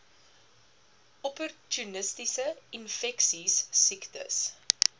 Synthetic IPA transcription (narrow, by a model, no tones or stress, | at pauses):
ɔpɔrtjunəstisəinfɛksisːiktə̰s